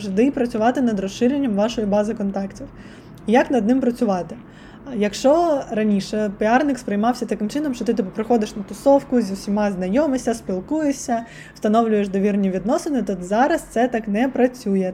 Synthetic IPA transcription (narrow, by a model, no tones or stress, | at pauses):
ʒd̪ɪpɾɐt͡sʲʊʋɑt̪ɪnɐd̪ɾɔsʃɪɾʲenʲːɐmʋɑʃɔjibɑzɪkɔnt̪ɑktʲiw | ijɐknɐd̪nɪmpɾɐt͡sʲʊʋɑt̪ɪ | jɐkʃt͡ʃɔrɐnʲiʃɛpɪɑrnɪkspɾɪjmɑwsʲɐt̪ɐkɪmt͡ʃɪnɔmʃt͡ʃɔt̪ɪt̪ɪpʊpɾɪxɔd̪ɪʃnɐt̪ɔsɔwkʊzʲiwsʲimɑznɐjɔmɪsʲɐspʲilˠkujesʲɐ | wst̪ɐnɔwlʲʊjeʃd̪ɔʋʲirnʲiʋʲid̪nɔsenɪt̪ɔzɑɾɐst̪sɛt̪ɑknɛpɾɐt͡sʲujɛ